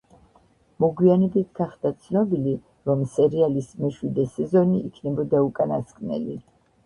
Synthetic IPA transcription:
mɔɡwianɛbit̪ʰɡaχd̪at̪sʰnɔbili | ɾɔmsɛɾialismɛʃwid̪ɛsɛzɔniːkʰnɛbɔd̪aukʼanaskʼnɛ̰li

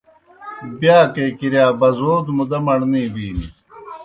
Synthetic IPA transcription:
bjaːkekiɾjaːbɐzoːd̪mud̪ɐmɐɳnĩːbiːni

